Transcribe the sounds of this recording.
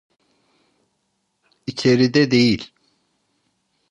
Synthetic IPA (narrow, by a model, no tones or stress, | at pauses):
it͡ʃʰe̞ɾid̪ɛd̪ejilʲ